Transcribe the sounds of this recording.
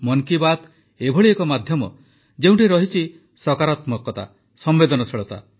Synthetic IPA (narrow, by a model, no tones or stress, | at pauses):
mɔŋkibat̪ | ebʱɔɭiekɔmad̪ʱjɔmɔ̰ | d͡ʒeũɳʈiɾɔɦit͡ʃʰi | sɔkaɾat̪mɔkːɔt̪a̰ | sɔmbed̪ɔnɔsʰeɭɔt̪a̰